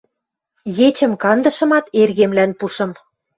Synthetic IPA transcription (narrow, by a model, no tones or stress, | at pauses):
jet͡ɕə̆mkɑnd̪ə̆ʃɤ̆mɑt̪erɣemlænpuʃɤ̆m